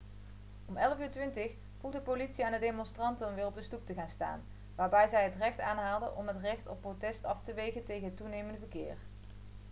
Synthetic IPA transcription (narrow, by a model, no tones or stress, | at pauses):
ɔmɛləvyːɹtʋɪntəχ | v̥uχdəpolitsiaːndədejmɔnstrɑntənɔmʋɪːrɔb̚dəstup̚təχaːnsta̰ːn | ʋaːɹbɛjzɛjɦətrɛχtaːnɦaːlˠdəʔɔmɦətrɛxtɔpːrotɛstɑftəʋejɣəntejɣənɦətːunejməndəvəɹkɪ̰ːr